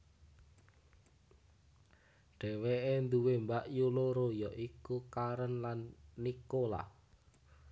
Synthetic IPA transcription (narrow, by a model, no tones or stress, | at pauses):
ɖ̥ɛ̤weʔend̪uwembaʔjuloɾojɔʔikukaɾənlanːikola̰h